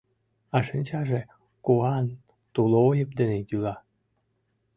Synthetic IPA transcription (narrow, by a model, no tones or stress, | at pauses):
ɑʃənʲt͡ɕɑʒe | kuɑn | t̪uloojəp̚d̪ĕnet̪ylɑ